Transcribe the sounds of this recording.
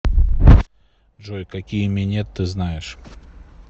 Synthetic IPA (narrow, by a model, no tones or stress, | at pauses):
ʐojkɐkʲijəmʲenʲet̪ːɨznajɪʂ